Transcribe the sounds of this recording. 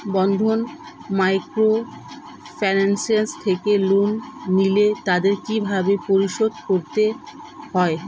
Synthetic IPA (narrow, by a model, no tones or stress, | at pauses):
bɔnd̪ʱonmajkɾo | fanensiast̪ʰekelunːilet̪ad̪eɾkibʱabepoɾiʃod̪koɾt̪e | hɔe